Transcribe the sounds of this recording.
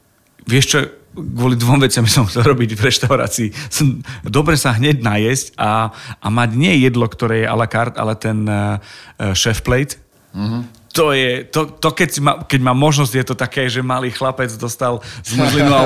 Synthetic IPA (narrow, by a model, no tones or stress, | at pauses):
ʋɪɛʃt͡ʃɔɡʊɔlid̪ʋɔmʋɛt͡sɪambisɔmxt͡sɛlɾɔbiɟvɾɛʃt̪aʊɾa̰ːt͡siːsɛmd̪ɔbɾɛsaɦɲɛɟnajɛscaːmaɟɲɪɛjɛd̪lɔkt̪ɔɾɛːjɛʔa̰lakaɾt̪a̰lɛt̪ɛn | ʃɛfplɛjt̪ | t̪ɔjɛt̪ɔt̪ɔkɛcmakɛɟmaːmːɔʒnɔzɟjɛt̪ɔt̪akɛːʒɛmaliːxlapɛd͡zd̪ɔst̪alzmuzlinu